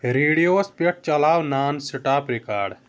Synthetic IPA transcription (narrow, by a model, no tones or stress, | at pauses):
ɾiːɽijoːspeʈ̚t͡ʃɐlaːwnaːnsɪʈaːpɾikaːɖ